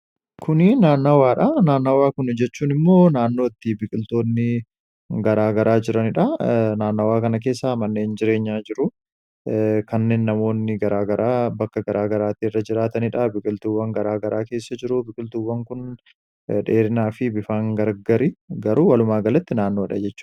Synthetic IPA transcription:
kʰʊnɪnaːnːɐwaːᶑɐnaːnːɐwaːkʊnd͡ʒɛt͡ʃːuːnɪmːo̞ːnaːnːo̞ːɪt̪ːɪbɪkʼɪlt̪o̞ːnːɪ | ɡɐɾaːɡɐɾʔaːd͡ʒɪɾɐnɪᶑɐnaːnːɐwaːkɐnɐk̬e̞ːsːaːmɐnːeːnd͡ʒɪɾe̞ːɲːaːd͡ʒɪɾʊ | kɐnːe̞ːnːɐmo̞ːnːɪɡɐɾaːɡɐɾaːbɐkːɐɡɐɾaːɡɐɾaːt̪iːɪrːɐd͡ʒɪɾaːt̪ɐnɪᶑɐbɪkʼɪlt̪ʊwːɐŋɡɐɾaːɡɐɾʔaːke̞ːsːɐd͡ʒɪɾʊbɪkʼɪlt̪ʊwːɐŋkʊn | ᶑe̞ːɾɪnaːfɪbɪfaːŋɡɐɾɡɐɾiɡɐɾuːwɐlʊmaːɡɐlɐt̪ːɪnaːnːo̞ːᶑɐ̰d͡ʒɛt͡ʃːu̥ːn

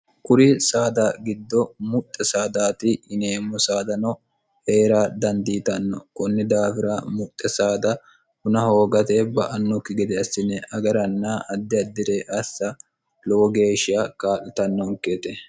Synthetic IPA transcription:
kʊɾɪsaːd̪aɡɪd̪ːɔmʊt̪ʼːɛsaːd̪aːt̪ɪɪneːmːɔsaːd̪ɐnɔ | he̞ːɾaːd̪ɐnd̪iːt̪ɐnːɔ̰kɔnːɪd̪aːfɪɾɐmʊt̪ʼːɛsaːd̪ɐ | hʊnɐho̞ːɡɐt̪ebɐʔɐnːɔkɪɡɛd̪ɛɐsːɪnɛʔɐɡɐɾɐnːɐʔɐd̪ːɪɐd̪ːɪd̪eʔɐsːɐ | lɔwɔɡe̞ːʃɪjakaːlɪt̪ɐnːɔŋkːeːt̪ɛ

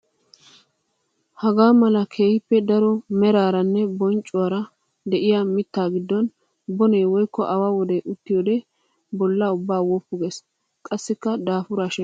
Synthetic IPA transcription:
hɐɡaːmɐlɐkʰe̞ːhɪpːɛd̪ɐɾɔmɛɾaːɾɐnːɛbɔnt͡ʃʼːʊwaɾɐ | d̪ɛʔɪjamɪt̪ːaːɡɪd̪ːɔn | bɔneːwɔjkːɔʔɐwawɔd̪ɛʔʊt̪ːɪjoːd̪ɛ | bɔlːɐʊbːaːwopːʊɡes | kʼɐsːɪkːɐd̪aːfʊɾaːʃɛ

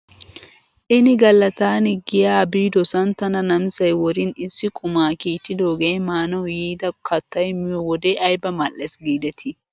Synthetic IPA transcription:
ʔɪnɪɡɐlːɐt̪aːnɪɡɪjaːbiːd̪ɔsɐnt̪ɐnɐnɐmɪsɐjwɔɾɪnɪsːɪkʼʊmaːkiːt̪ːɪd̪oːɡeːmaːnɐwjiːd̪ɐkɐt̪ːɐjmɪjɔwɔd̪eʔɐjbɐmɐlːɛsɡiːd̪ɛt̪ʰɪ

